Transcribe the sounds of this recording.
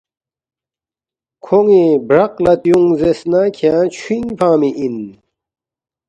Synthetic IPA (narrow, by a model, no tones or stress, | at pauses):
kʰoŋibɾɐqlɐt̪juŋzesnakʰãt͡ɕʰwiŋpaːmiʔin